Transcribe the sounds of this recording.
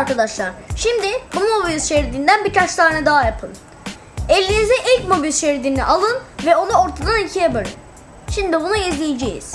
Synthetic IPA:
aɾkad̪aʃlˠaɾ̥ʃimd̪ɪbummobilʲʃeɾd̪ind̪ænbiɾkʰat͡ʃsʰaːnɛd̪aɦajapʰɯn | ɛlʲːinizɛʔilʲcmo̞bilʲʃeɾd̪inḭʔalˠɯnvɛo̞nuoɾt̪ʰad̪anilʲcʰijapɯɾɯ̰n | ʃimd̪ibunuizlʲijed͡ʒejḭz̥

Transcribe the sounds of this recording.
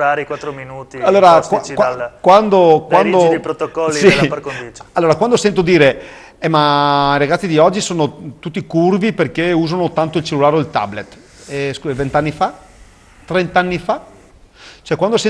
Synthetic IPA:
aɾikwat̪ːɾominuːt̪ialːoːɾakawakwand̪okwand̪opɾot̪okɔlːisipaɾkond̪it͡ʃalːoːɾakwand̪osɛnt̪od̪iːɾe | ɛmaiɾaɡat̪sːid̪iɔd͡ʒːisoːnot̪ut̪ːikurviperkeuːzanot̪ant̪oilt͡ʃelːulaːɾeoilt̪a̰blet̪ː | ɛskuvent̪anːifa | t̪ːɾent̪aanːifa | t͡ʃoɛkwand̪osɛ

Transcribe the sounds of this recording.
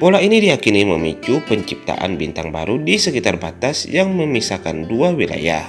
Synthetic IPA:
polainidijakiniməmit͡ʃupəɲt͡ʃip̚t̪a̰ʔa̰nbint̪aŋba̰ɾudisəkit̪arbat̪asjaŋməmisakanduawila̰ja̰h

